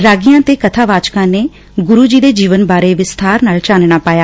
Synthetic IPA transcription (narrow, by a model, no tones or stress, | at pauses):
ɾaːɡijãːt̪eːkət̪ʰaːʋaːt͡ʃkãːneː | ɡʊɾuːd͡ʒiːd̪eːd͡ʒiːʋənbaːɾeːʋɪst̪ʰaːɾnaːlt͡ʃaːnɳaːpaːjaː